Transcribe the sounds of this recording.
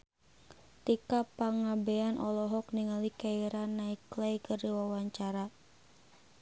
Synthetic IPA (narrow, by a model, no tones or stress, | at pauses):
t̪ikapaŋabɛanʔɔlɔɦɔk̚niŋalikaiɾanaiklɛikərdiwawaɲt͡ʃaɾa